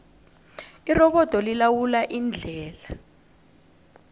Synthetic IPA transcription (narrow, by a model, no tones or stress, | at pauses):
irɔɓɔd̥ʱɔlilawulaʔind͡ɮʱɛːla